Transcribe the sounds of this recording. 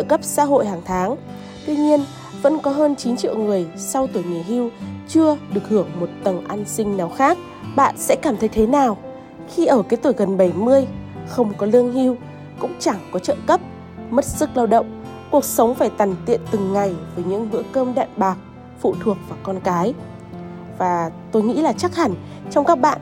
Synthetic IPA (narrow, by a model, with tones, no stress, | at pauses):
ə˧˨kə˦˥p̚sa̰ː˧˥ɦo̰˧˨jhaː˨˩ŋt̪ʰaː˨˦ŋ | t̪wi˧ɲi˧ən | və̰˧˥nkɔ˨˦ɦəː˧nt͡ɕi˨˦nt͡ɕḭ˧˨əwŋɨ˨˩əjsa˧wt̪u˧˩jŋi˨˩˨jhi˧wt͡ɕɨ˧əɗɨ˨˩ək̚hɨ˧˩əŋ̚mo˨˩t̚t̪ə˨˩nʔa˧nsï˧ŋ̟naː˨˩wxaː˦˥k̚ | ɓa̰ː˧˨nsɛ̰˧˥kaː˧˩mt̪ʰə˨˦jt̪ʰe˨˦naː˨˩w | xi˧ʔəː˧˩kaː˨˦jt̪u˧˩jɣə˨˩nɓa˧˩jmɨ˧əjxə˧wŋ͡mkɔ˨˦lɨ˧əŋhi˧w | kʊ̰˧˥ŋ͡mt͡ɕa˧˩ŋkɔ˨˦t͡ɕə̰ː˧˨kə˦˥p̚ | mə˦˥t̚sɨ˦˥k̚laː˧wɗə̰˧˨wŋ͡mku˨˩ək̚sə˨˦wŋ͡mfaː˧˩jt̪a˨˩ŋt̪ḭ˧˨ənt̪ɨ˨˩ŋːa˨˩jvəː˨˦jɲɨ̰˧˥ŋhɨ̰˧˥əkəː˧mɗa̰ː˧˨nɓaː˨˩k̚ | fṵ˧˨t̪ʰu˨˩ək̚vaː˨˩kɔ˧nkaː˨˦j | vaː˨˩t̪o˧jŋḭ˧˥laː˨˩t͡ɕa˦˥k̚ha˧˩ŋ̟ | t͡ɕɔ˧wŋ͡mkaː˦˥k̚ɓa̰ː˧˨n